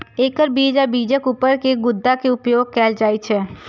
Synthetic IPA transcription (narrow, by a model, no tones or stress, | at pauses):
eːkəɾbiːd͡ʒabiːd͡ʒəkupəɾkeɡʊd̪ːakeʊpjoːɡ̚kɛːld͡ʒaːit͡ʃʰɛː